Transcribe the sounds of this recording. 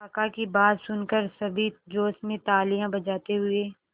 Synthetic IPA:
ɐkakibaːd̪sʊnkəɾsɐbʱid͡ʒoːsmẽt̪aːlijãbɐd͡ʒaːt̪eɦʊeː

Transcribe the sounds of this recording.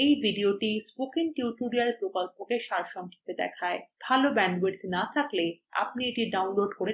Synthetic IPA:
ejbʱiɖioʈispokiŋʈjuuʈuɾialpɾokolpokeʃaɾʃɔŋkʰi̥t̪ed̪ɛ̰kʰaeb̥ʱalobɛɳɖweɾt̪nat̪ʰaklea̰p̚nieʈiɖawnloɖkoɾe

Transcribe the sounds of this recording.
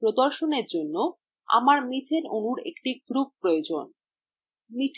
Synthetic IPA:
pɾod̪oɾʃoneɾd͡ʑonːo | a̰maɾmit̪ʰeɾonuɾḛkʈiɡ̥ɾup̚ːɾojod͡ʑon | mit̪ʰ

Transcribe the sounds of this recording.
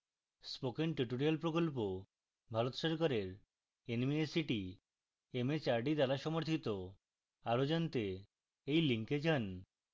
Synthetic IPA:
spokenʈuʈoɾialpɾokolp̬o | bʱaɾot̪oʃaɾkaɾeɾ | enmiesiʈi | emet͡ɕaɾɖid̪alaʃɔmoɾt̪ʰit̪o | aɾod͡ʑant̪e | ejliŋked͡ʑan

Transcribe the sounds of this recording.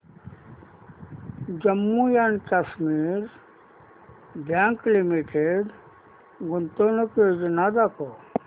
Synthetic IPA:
d͡ʒəmːujankasmiɾ | bjaːŋklimiʈeɖ | ɡʊnt̪onoked͡ʒnad̪ako

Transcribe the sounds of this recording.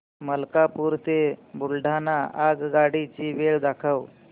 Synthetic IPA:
məlkapuːɾt̪ebulɖʱanaaɡɡaɽit͡ɕiːʋeɭd̪akʰəʋ

